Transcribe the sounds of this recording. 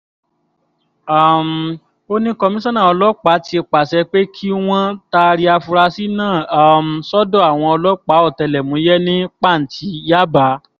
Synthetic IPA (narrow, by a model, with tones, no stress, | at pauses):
a˦˨m˨ | o˦nĩ˦kɔ˧mĩ˦sɔ̃˦nã˦˨ɔ˧lɔ˦k͡pa˨˦ti˧e˧k͡pa˨sɛ˧k͡pe˦kʰi˦w̃ɔ̃˦ta˧ɾi˧a˧fu˧ɾa˧si˦nãː˦˨m̩˨sɔ˦dɔ̃˦˨a˨w̃ɔ̃˧ɔ˧lɔ˦k͡pa˨˦ɔ˦˨tɛ˧lɛ˨mũ˨˦jɛ˦nĩ˦k͡pa˦˨n̩˨ti˧˦ja˦ba˨˦